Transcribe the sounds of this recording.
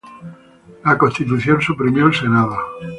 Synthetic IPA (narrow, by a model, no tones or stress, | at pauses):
lakõnt̪it̪̬uθjonsupɾimjoelsenaðo